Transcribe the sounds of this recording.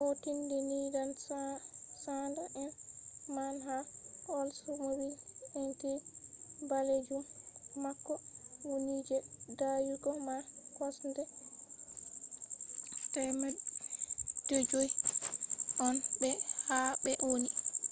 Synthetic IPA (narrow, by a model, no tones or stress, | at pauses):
hotindɛnidan | sandaʔɛnmanɦaɔlsumobilɛnkɛ | baled͡ʒumːakːɔwonid͡ʒɛdajuɡɔmakɔsndɛ | tɛmɛ | d̥ed͡ʒoj | ʔɔnbɛhabɛʔoni